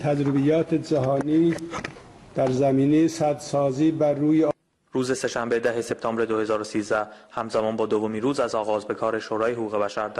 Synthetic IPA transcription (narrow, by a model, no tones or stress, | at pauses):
t̪ʰæd͡ʒɾibijɒːt̪ʰed͡ʒæɦɒːniː | d̪̥æɾzæmiːnejesæd̪sɒːziːbæruːje | ɾuːze̞se̞ʃæmbe̞d̪æɦe̞se̞p̚t̪ʰɒːmbɾe̞d̪ohe̞zɒːɾosiːzd̪æhhæmzæmɒːnbɒːd̪ovomiːnɾuːzæzɒːɣɒːzbe̞kʰɒːɾe̞ʃoːɾɒːjeɦokuːɣe̞bæʃæɾd̪